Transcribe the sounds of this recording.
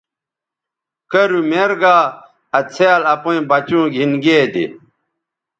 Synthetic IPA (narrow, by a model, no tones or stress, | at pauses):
kɐɾumeɾɡaː | ɐt͡sʰealɐpõĩbɐt͡ɕũːɡʱinɡeːd̪ḭ